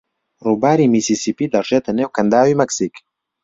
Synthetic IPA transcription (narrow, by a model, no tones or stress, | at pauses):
ruːbaːɾiːmisiːsiːpiːd̪ɐrʒet̪ʰɐneːwkɐnd̪aːwiːmɛksiːk